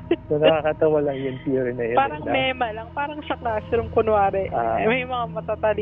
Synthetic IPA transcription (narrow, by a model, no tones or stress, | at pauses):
sonɐkakɐt̪ɐwɐlɐŋjʊnpiːɾɪnɐjopaːɾɐŋmɛːmɐlɐŋpaːɾɐŋʃɐk̚nasɾʊmkʊnwaːɾɛʔamɐjmɐŋamɐt̪at̪ɐli